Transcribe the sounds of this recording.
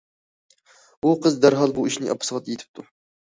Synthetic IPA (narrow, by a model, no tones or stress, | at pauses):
uqʰəzd̪æɾɦɑlˠbuiʃnɪ̰ʔɑ̰pʰːɨ̥sʁɑt̪ːjet̪ʰɪ̥p̚t̪ʰu